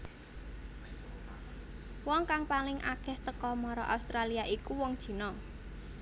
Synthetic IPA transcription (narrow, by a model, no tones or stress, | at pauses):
wɔŋkaŋpalɪŋʔa̰kɛht̪əkɔmɔɾɔʔa̰ust̪ɾaliaʔikuwɔŋd̥ʒ̥i̤nɔ